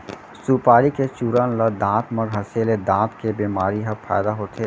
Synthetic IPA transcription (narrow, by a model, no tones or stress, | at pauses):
suːpaːɾiket͡ʃuːɾənlɐd̪ãːt̪mɐɾɦɐseːled̪ãːt̪kebeːmaːɾiɦɐpʰa̰ːd̪aɦoːt̪ʰeː